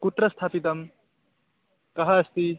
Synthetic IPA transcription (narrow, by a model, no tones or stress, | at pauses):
kuʈɾɐst̪ʰaːpit̪ɐm | kɐɦɐɐst̪i